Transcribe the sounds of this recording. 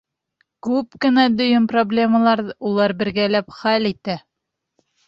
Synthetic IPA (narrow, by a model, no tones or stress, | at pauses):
kʉp̚kɘ̆næd̪ɵ̆jɵnproblʲe̞məlˠɑɾulˠɑɾbɘ̆ɾɡælæpχælit̪æ